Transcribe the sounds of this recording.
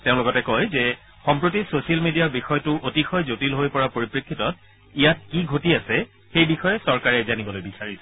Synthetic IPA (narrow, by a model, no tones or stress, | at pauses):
teʊ̃lʊkɔtɛkɔjzɛ | xɔmpɹotisosialmedijaɹbixɔjtʊʔotixɔjzotilɦojpɔɹapoɹipɹekʰːitɔt̚ | ijat̚kiɡʱotiasɛ | xejbixɔjɛsɔɹkaɹɛzanibɔlojbisaɹisɛ